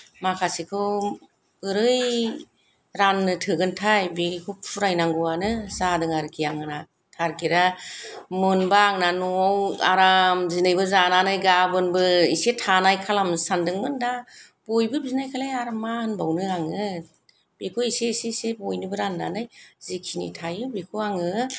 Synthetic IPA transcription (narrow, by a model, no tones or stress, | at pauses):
makʰasikʰɯw | ɯɾɯj | ɾanːɯtʰɯɡɯntʰajbekʰup̚pʰuɾajnaŋɡɯwanɯzadɯŋaɾkʰiaŋɯna | tʰaɾkiɾa | mɯnbaŋnanɔawa̰ɾamzinajbɯzananajɡabɯnbɯisetʰanajkʰalamsandɯŋmɯnda | b̥ojbɯbiznajkʰalajaɾmanbawnɯɾaŋɯ | b̥ekʰoisesesebojnɯbɯɾanːa̰nɯjzikʰinḭtʰajɯbekʰuaŋɯ